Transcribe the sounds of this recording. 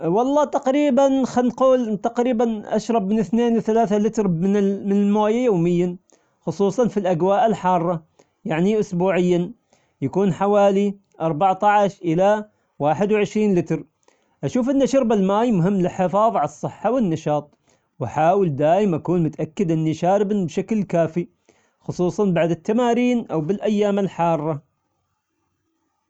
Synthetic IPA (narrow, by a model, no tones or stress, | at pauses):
wɑlˤːɑːt̪aqɾiːbanxanquːlt̪aqɾiːbanʔa̰ʃɾˤɑbmɪnɪθneːnwɪθalaːθalɪt̪ɾmɪnmɪnɪlmoːjajoːmɪjːa | xʊsˤuːsˤɑnfilʔaɡwaːʔɪlħɑːrˤːɑ | jaʕniʔʊsbuːʕɪjːa | jakuːnħawaːli | ʔɑɾˤbaʕt̪ˤɑʕaʃʔɪla | waːħɪd̪wʕɪʃɾiːnlɪt̪ɾ | ʔaʃuːfʔɪnːaʃʊɾbalmaːjmʊɦɪmːlɪlħɪfɑːðˤʕalɑsˤːɨħːawɪnːɑʃɑːt̪ˤ | wʔaħaːwɪld̪aːjɪmʔakuːnmʊt̪ʔakːɪd̪ʔɪnːiʃaːɾɪbnibʃaklkaːfi | xʊsˤuːsˤɑnbaʕd̪ɪt̪ːamaːɾiːnʔawbɪlʔajːaːmɪlħɑːrˤːɑ